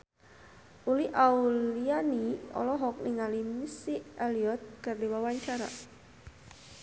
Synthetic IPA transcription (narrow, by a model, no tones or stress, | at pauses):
uliʔaulianiɔ̰lɔɦɔk̚nɪŋalimisialiɔt̪̚kərdewawaɲt͡ʃaɾa̰